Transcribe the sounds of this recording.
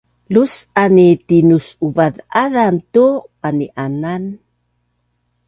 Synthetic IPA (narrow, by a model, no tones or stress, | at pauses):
lusanitinusuvaðaðantuqaniʔanan